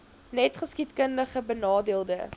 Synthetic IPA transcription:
nɛtχəskitkəndəχəbənɑːdiəlˠdə

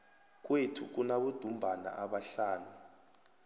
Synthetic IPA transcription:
k̬wetʰuk̬unaɓud̥ʱumbʱana̰ʔaɓaɬaːnu

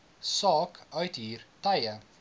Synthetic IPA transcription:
sɑːkœɥtɦiːrtɛjə

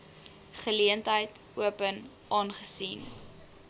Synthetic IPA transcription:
χəliəntɦəjt | uəpən | ʔɑːnχəsin

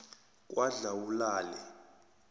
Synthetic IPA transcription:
k̬ʼwaɮawulaːlɛ

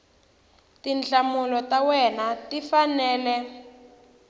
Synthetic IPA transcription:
tint͡ɬamulɔtawɛnatifanɛːlɛ

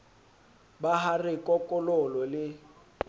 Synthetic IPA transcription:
baɦarɪkʼɔkʼɔlɔlɔlɪ

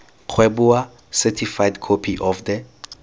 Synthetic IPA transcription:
q͡χʰwebua | sɛtʰifajdkʰɔpʰiʔɔfdɛ

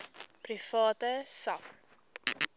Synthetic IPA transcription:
prifɑːtəsap

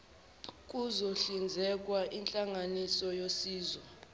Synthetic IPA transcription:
k̬ʼuzoɬind͡zʱɛk̬ʼwaʔint͡ɬʼaŋanisɔjosiːzwɔ

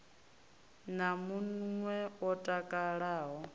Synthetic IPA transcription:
namunŋwɛɔtʼakʼaɺaːɦɔ

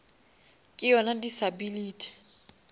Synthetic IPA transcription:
kʼɪjɔnadisabiliːtʰʼi̥

